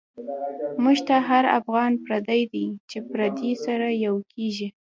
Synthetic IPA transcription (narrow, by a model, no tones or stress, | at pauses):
muʒt̪aɦaɾa̰fɣɑnpɾad̪ajd̪ijt͡ʃepɾad̪isaɾajawkʰeʒi